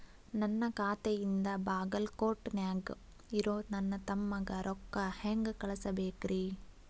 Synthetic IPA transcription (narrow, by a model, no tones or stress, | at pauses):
nɐnːɐkaːt̪ejind̪ɐbaːɡɐlkoːʈːnjaːɡ | iɾoːnɐnːɐt̪ɐmːɐɡɐɾʔɔkːɐheŋɡkɐɭɐsɐbeːkɾʔi